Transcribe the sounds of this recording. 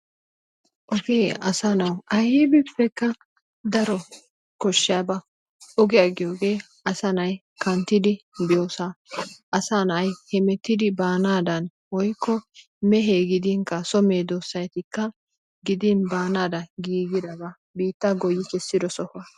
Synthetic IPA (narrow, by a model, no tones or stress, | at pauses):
ʔɔɡeːɐsanɐwɐjibɪpːɛkːɐ | d̪ɐɾɔ | kɔʃːɪjɐbɐ | ɔɡɪjɐɡɪjoːɡe̞ː | ɐsɐnɐj | kɐnt̪ːɪd̪ɪbɪjoːsaʔɐsanɐjhɛmɛt̪ːɪd̪ɪbaːnaːd̪ɐn | wɔjkʰːɔ | mɛɦeːɡɪd̪iŋkɐsɔme̞ːd̪osːɐjt̪ɪkːɐ | ɡɪd̪ɪnbaːnaːd̪ɐɡiːɡɪd̪ɐbɐ | biːt̪ːɐɡɔjːɪkɛsːɪd̪ɔsɔhɐ